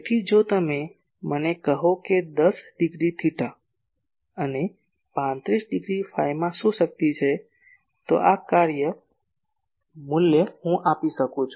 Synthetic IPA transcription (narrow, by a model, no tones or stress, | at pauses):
t̪ʰid͡ʒot̪əmẽ | mənekəɦoked̪əsɖɪɡɾit̪ʰiʈa | əne | pãnt̪ɾisɖɪɡɾipʰaɪmãsusək̚t̪it͡ʃʰɛ | t̪o̰ʔakaɾjə | mʊljəhũʔapisəkũt͡ʃʰu